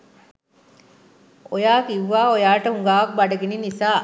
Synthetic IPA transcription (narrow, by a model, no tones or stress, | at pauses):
ojaːkiʋːaːojaːʈɐɦuŋɡaːʋɐk̚bɐɖɐɡeninisaː